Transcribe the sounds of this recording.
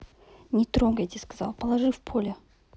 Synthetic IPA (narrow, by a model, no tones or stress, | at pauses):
nʲɪt̪ɾoŋɡəjt̪ʲɪskazɑ̰lˠpəlˠaʐɨfpʰolʲɪ